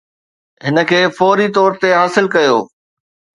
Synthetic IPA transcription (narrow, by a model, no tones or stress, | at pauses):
ɦɪnə̆kʰeːfɔːɾit̪ɔːɾt̪eɦaːsɪlkɐjo̰ː